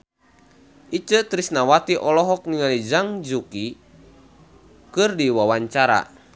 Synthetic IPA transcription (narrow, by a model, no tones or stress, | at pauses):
ʔit͡ʃət̪ɾisnawat̪iʔɔlɔɦɔk̚niŋalid͡ʒaŋd͡ʒuki | kɨrdiwawaɲt͡ʃaɾa̰